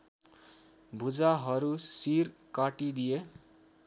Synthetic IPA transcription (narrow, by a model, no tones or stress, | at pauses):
bʱud͡zaɦʌɾusirkaʈid̪ije